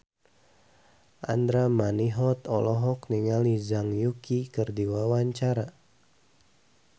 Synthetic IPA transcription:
ʔa̰nd̪ɾamaniɦɔt̪ɔlɔɦɔkniŋalizaŋjukikɨrdiwawaɲt͡ʃaɾa

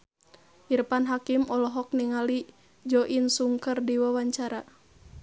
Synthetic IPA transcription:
ʔiɾpanɦakimɔlɔɦɔk̚niŋali | d͡ʒɔʔinsuŋkərdiwawaɲt͡ʃaɾa

